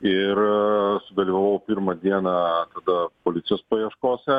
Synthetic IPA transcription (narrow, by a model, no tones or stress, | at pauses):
ɪrsʊd̪ɐlʲiʋɐʋɐʋpʲɪɾmɐd̪ʲiɛnɐt̪ɐd̪ɐpoːlʲɪt̪sʲɪjoːspɐjiɛʃkoːsʲɛ